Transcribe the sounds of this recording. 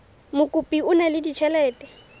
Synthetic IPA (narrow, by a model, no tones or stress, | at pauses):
mʊkʼupʼiʊnalɪdit͡ʃʰɛlɛːtʼɛ